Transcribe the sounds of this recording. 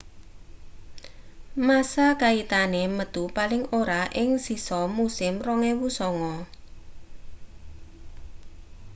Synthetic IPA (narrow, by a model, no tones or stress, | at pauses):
masakait̪aneməd̪̥upalɪŋoɾaʔɪŋsisɔmusɪmrɔŋewusɔŋɔ